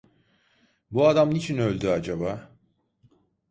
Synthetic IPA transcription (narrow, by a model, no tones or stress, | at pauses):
buad̪amnit͡ʃʰinø̞lʲd̪yad͡ʒabaː